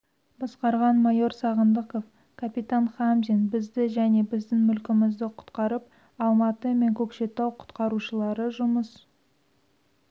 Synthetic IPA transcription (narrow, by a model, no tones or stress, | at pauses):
bɑsqɑɾʁɑnmɑjo̞ɾsɑʁənd̪əqof | kʰapit̪anχamzinbɪzd̪ɪʒæne̞bɪzd̪ɪŋmʏlkʲɪmɪzd̪ɪqʰʊ̥t̪qɑɾəp̚ | ɑlˠmɑt̪əme̞ŋkʲʰɵpʃe̞t̪ɑwqʰʊ̥t̪qɑɾuʃəlˠɑɾəʒʊməs